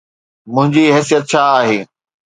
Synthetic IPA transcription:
mʊ̃ɦɪ̃ɲd͡ʑiɦɛːsijət̪̚t͡ɕʰaːaːɦeː

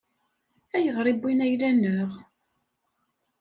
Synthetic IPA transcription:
æjəʁɾˤibinæjlænːəʁ

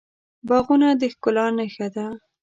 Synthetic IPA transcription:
bɑɣunad̪əxkʊlɑnaxad̪a

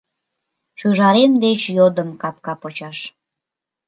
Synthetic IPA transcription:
ʃyʒɑɾemd̪et͡ɕjod̪əmkɑp̚kɑpot͡ɕɑʃ

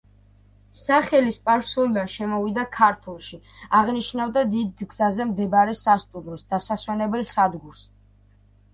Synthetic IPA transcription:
saχɛlispʼaɾsulˠd̪anʃɛmɔvid̪akʰaɾt̪ʰulˠʃiaʁniʃnavd̪ad̪id̪ɡz̥azɛmd̪ɛbɾɛsast̪ʼumɾɔsd̪asaswɛnɛbɛlˠsad̪ɡuɾs

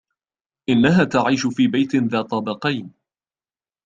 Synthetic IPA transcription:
ʔɪnːaɦaːt̪aʕiːʃʊfiːbajt̪ɪnðaːt̪ˤɑbɑqɑjn

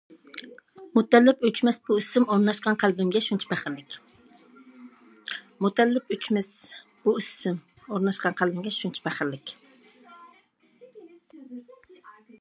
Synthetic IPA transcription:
mʊt̪ːælːɪpøt͡ʃmɛsb̥ʊɪsːɪmoɾnɑʃqɑnqʰælˠbɪmɡʲɛʃʊnt͡ʃʰɛ̥bæχɨɾlɪkʲ | mʊt̪ʰælːɪpøt͡ʃmɪsb̥uɪsɪm | oɾnɑʃqɑnqʰalˠbɪmɡʲɛʃʊnt͡ʃʰɛ̥bæχɾlɪkʲ

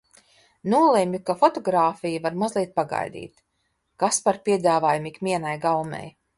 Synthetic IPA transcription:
nuɔlˠemʲjukafɔt̪ɔɡɾaːfijuvaɾmazlˠiɛt̪̚paɡa̰jd̪ḭːt̪ | kaspaɾpʲiɛd̪aːvaːjumikmʲiɛnajɡalˠmʲɛ̰j

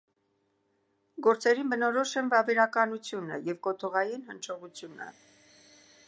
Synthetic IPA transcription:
ɡɔɾt͡sɛɾinbənɔɾɔʃɛnvɑvɛɾɑkɑnut͡sʰjunə̰jɛvkɔt̪ʰɔʁɑjinhənt͡ʃʰɔʁut͡sʰjunə̰

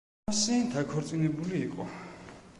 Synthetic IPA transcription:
sɛːnd̪akʰɔɾt̪sʼinɛbuliːqʼɔ̰

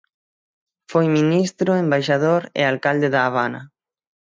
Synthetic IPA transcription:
fojminist̪ɾʊembajʃaðoɾḛalkald̪eðaːβ̞anɐ̰

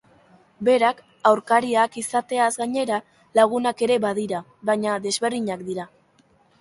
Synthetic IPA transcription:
be̞ɾak | awɾkaɾiakisat̪e̞azɡaɲe̞ɾa | laɣ̞unake̞ɾe̞βað̞iɾa | βaɲaðe̞zβe̞rðiɲakd̪iɾa

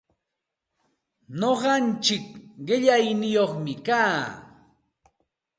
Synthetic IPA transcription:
noɢɑnt͡ʃɪkɢɪʎajnɪjoχmɪkaː

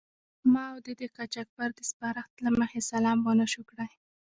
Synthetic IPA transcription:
mɑawd̪əd̪əkat͡ʃak̚baɾd̪əspaɾaxt̪laməxesalɑmbanaʃukɽaj

